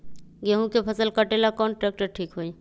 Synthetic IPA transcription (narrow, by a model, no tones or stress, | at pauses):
ɡeɦũkepʰəsəlkəʈelakɔːnʈɾɛːk̚ʈəɾ̚ʈʰiːkɦoːi